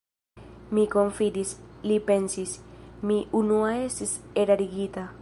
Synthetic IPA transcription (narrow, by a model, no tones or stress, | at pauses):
mikoɱfid̪islipensismiʔunuaest̪iseɾaɾiɡit̪a